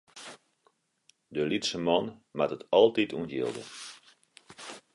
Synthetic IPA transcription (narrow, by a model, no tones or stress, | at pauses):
dəlitsəmɔnmatətɔlˠtitʰunjḭlˠdə̰